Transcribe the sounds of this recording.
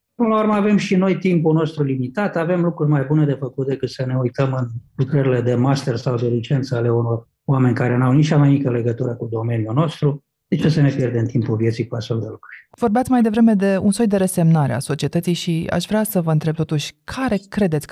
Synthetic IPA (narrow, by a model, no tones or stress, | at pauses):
ppɨnlaurməave̞mʃino̞jt̪impuno̞st̪ɾulimit̪at̪ave̞mlukɾurʲmajbune̞d̪efəkut̪̚d̪e̞kɨt̪səne̞ujt̪əmɨnlukɾəɾile̞d̪e̞mast̪ersawd̪e̞lit͡ʃe̞nt̪səale̞uno̞r | oame̞nʲkaɾe̞nawnit͡ʃamajmikəle̞ɡət̪uɾəkud̪o̞me̞njuno̞st̪ɾu | d̪et͡ʃesəne̞pjerd̪emnt̪ʰimpulvjet̪sijkuasfelt̪d̪e̞lukɾurʲvo̞rbeat̪sʲmajd̪e̞vɾe̞me̞d̪e̞ṵnso̞jd̪e̞ɾese̞mnaɾea̰so̞t͡ʃiet̪ət̪sijʃia̰ʃvɾeasəvəɨnt̪ɾeb̚t̪o̞t̪uʃʲkʰaɾe̞kɾe̞d̪e̞t̪sʲ